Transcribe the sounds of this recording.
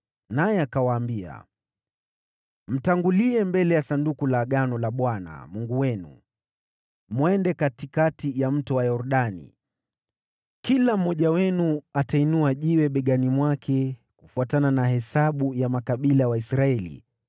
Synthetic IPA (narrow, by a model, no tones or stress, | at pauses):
najɛakawaːmbia̰ | m̩taŋɡuliɛmbɛlɛjasandukulaɠanɔlaɓwana̰muŋɡuwɛnṵ | mwɛndɛkatikatijam̩tɔwajɔɾɗanḭ | kilam̩ːɔʄawɛnuatainuaʄiwɛɓɛɡanimwakʰɛ | kufuatananahɛsaɓujamakaɓilawaisɾaɛlḭ